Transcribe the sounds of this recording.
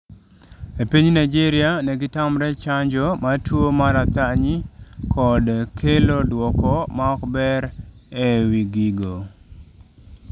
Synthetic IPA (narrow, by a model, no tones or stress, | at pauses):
epiɲnajd͡ʒiɾɪanɛɡɪtamɾɛt͡ʃaɲd͡ʒɔmatwomaɾat̪aɲikɔdkʰelodwɔkɔmaɔkbɛɾɛwiɡiɡo